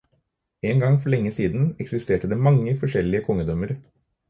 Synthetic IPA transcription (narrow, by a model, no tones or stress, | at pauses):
eːŋɡɑŋfɔɭɛŋːəsiːd̪n̩ɛksɪst̪eːʈəd̪eːmɑŋːəfɔʂɛlːɪəkʰɔŋːəd̪ɔməɾ